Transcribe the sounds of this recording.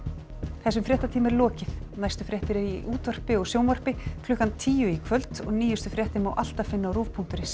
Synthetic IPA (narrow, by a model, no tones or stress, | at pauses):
θɛsːʏmfɾɛht̪at̪ʰiːmɛɾlɔːcɪθnajst̪ʏfɾjɛht̪ɪɾɪɾiʔuːt̪ɔr̥pɪɔɣsjoːwmɔr̥pɪkʰlʏhkːant̪ʰiːjʏikʰvœlt̪ɔ̰ɣniːjʏst̪ʏfɾjɛht̪ɪmawʔal̥t̪afɪnːawɾuːvpʰuŋ̥t̪ʏɾɪs